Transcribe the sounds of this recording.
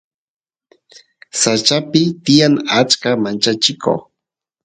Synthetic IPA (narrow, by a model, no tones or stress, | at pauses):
sat͡ʃapɪt̪ɪjaŋat͡ʃkamant͡ʃat͡ʃɪkʰo̰